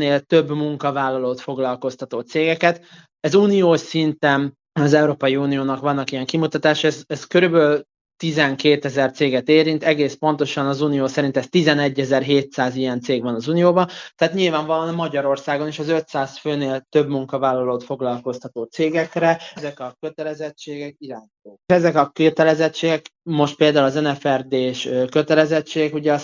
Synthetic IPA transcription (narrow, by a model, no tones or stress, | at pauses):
neːlt̪ø̞bmuŋkɒvaːlːɒloːt̪fo̞ɡlɒlko̞st̪ɒt̪oːt̪seːɡɛkɛt̪ | ɛzuːnijoːʃsint̪ɛn | ɒzɛuɾoːpɒjiuːnijoːnɒkʋɒnːɒkijɛŋkimut̪ɒt̪aːʃɛzɛskøɾybøːl | t̪izɛŋkeːt̪ɛzɛrt̪seːɡɛt̪eːɾint̪ɛɡeːspo̞nt̪o̞ʃɒnɒzuːnijoːsɛɾint̪ɛst̪izɛnɛɟːɛzɛrɦeːt̪saːzijɛnt̪seːɡvɒnɒzuːnijoːbɒt̪ɛaːt̪ɲilvaːɱvɒlonmɒɟɒɾo̞rsaːɡo̞niʃɒzø̞t̪saːsføːneːlt̪ø̞bmuŋkɒvaːlːɒloːt̪fo̞ɡlɒlko̞st̪ɒt̪oːt̪seːɡɛkrɛɛzɛkɒkøt̪ɛlɛzɛt͡ʃːeːɡɛkiɾaːɲit̪oːɛzɛkɒkøt̪ɛlɛzɛt͡ʃːeːɡɛkmo̞ʃt̪peːld̪aːulɒzɛnɛfɛrd̪eːʃøkø̞t̪ɛlɛzɛt͡ʃːeːɡɛkuɟɛ